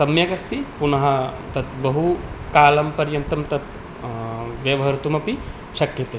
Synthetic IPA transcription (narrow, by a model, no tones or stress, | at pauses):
sɐmjɐkɐst̪ipunɐɦɐ | t̪ɐt̪bɐɦukaːlɐmpɐɾjɐnt̪ɐmt̪ɐt̪ | ʋjɐʋɐɦɐɾut̪umɐpi | ʃɐkjɐt̪eː